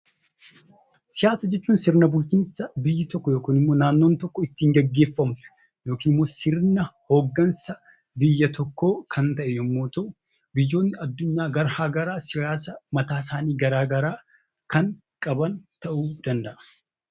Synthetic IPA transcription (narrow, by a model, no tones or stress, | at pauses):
sɪjaːsɐd͡ʒɛt͡ʃːuːnsɪɾnɐbʊlt͡ʃiːnsɐbɪjːɪt̪ɔkːɔjo̞ːkiːnɪmːo̞ːnaːnːoːnt̪ɔkːɔɪt̪ːiːŋɡɛɡːe̞ːfːɐmʊ̥ | jo̞ːkiːnɪmːoːsɪɾnɐhoːɡːɐnsɐ | bɪjːɐt̪ɔkːo̞ːkʰɐnt̪ɐʔɛjomːoːt̪ɐʔʊ | bɪjːo̞ːnːɪɐd̪ːʊɲːaːɡɐɾhaːɡɐɾaːsɪjaːs̬ɐmɐt̪aːs̬aːniːɡɐɾaːɡɐɾaː | kɐŋ | kʼɐbɐnt̪ɐʔuːd̪̥ɐnd̪ɐʔɐ̥